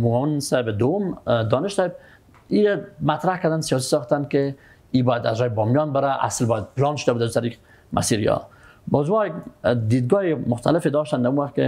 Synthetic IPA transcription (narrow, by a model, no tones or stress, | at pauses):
mumaansaɪbed̪owʊmd̪ɔnɪʃsɑeb̚ | iamat̪ɾahkad̪ansijɑs̬i̥sɑxt̪ankɪ | ibɔjad̪azɾɔjɪbɔmjɔnbɪɾaʔa̰slbɔjad̪̚pɪlɑnʃʊ̥d̪abud̪ad̪ut̪aɾiq | mʔa̰siɾjɔ̰bɔzumɔjak̚d̪id̪̚ɡɔemʊxt̪alɪfed̪ɔʃt̪and̪amuwaxt̪̚kɪ